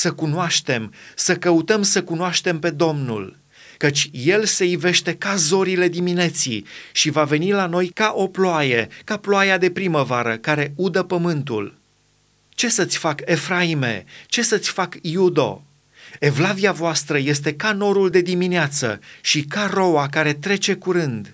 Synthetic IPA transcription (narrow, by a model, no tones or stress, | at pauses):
səkunoaʃt̪e̞msəkəut̪əmsəkunoaʃt̪e̞mpe̞d̪o̞mnṵl | kət͡ʃʲje̞lse̞jive̞ʃt̪e̞kazo̞ɾile̞d̪imine̞t̪sḭʃivave̞nilano̞jkaʔo̞ploajekaploajad̪e̞pɾiməvaɾəkaɾe̞ud̪əpəmɨnt̪ṵl | t͡ʃe̞sət̪sʲfake̞fɾaime̞̰t͡ʃe̞sət̪sʲfakjud̪o̞̰ | e̞vlaviavoast̪ɾəje̞st̪e̞kano̞ɾuld̪e̞d̪imineat̪sə̰ʃikaro̞akaɾe̞t̪ɾe̞t͡ʃe̞kuɾɨnd̪